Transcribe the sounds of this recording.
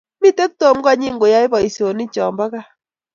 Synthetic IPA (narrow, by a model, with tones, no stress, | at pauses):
mi˦˨te˦k̚to˨˦m˦ɡa˦ɲi˦˨ŋɡo˨ja˦i˦βɔ˨i˨so˨ni˦t͡ʃɔ˨mba˦ka˦